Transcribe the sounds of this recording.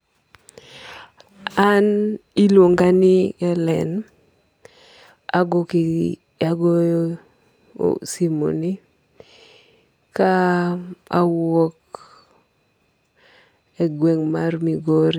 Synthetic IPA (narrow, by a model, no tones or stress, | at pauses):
anilwoŋɡanɪɛlɛ̰n | aɡoki | aɡo | simo̰ni | ka | awɔk̚ | eɡweŋmarmiɡoɾi